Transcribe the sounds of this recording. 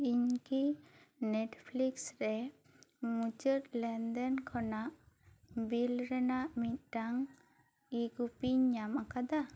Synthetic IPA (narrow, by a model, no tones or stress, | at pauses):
iɲkinɛʈpʰliksɾɛ | mut͡ʃət̪lɛnd̪ɛnkʰɔnaʔbilɾɛnaʔmit̪̚ˀʈaŋ | iɡupiɲamakad̪a